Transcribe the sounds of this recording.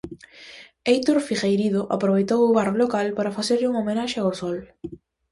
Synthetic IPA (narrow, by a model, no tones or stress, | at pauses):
ejt̪uɾfixejɾiðoʔa̰pɾoβejt̪owʊβarolokalpaɾafaseɾʎɪuŋomenaʃeaosɔl